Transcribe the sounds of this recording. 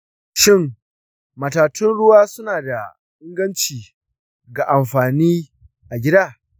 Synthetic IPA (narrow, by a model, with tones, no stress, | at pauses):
ʃɪ˦˨ŋ | mɐ˨taː˨tʰɪ˦nɽʊ˦waː˦sʊ˦naː˨da˨ | ʔɪ˦ŋɡɐ˦nt͡ʃiː˨ | ɡa˨ʔa˨mɸaː˨niː˦ | ʔa˨ɡʲɪ˦daː˦˨